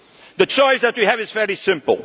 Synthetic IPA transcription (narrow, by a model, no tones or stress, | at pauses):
ðɨt͡ʃɔɪsðɨt̚wiɨvɨzvɛɹisɪ̃mpl̩ˠ